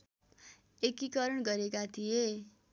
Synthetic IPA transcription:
ekikʌɾʌɳɡʌɾekat̪ʰije

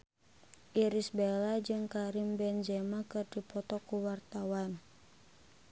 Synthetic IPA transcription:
ʔiɾisbɛlad͡ʒɨŋkaɾimbɛnd͡ʒɛmakɨrdipɔt̪ɔkuwart̪awan

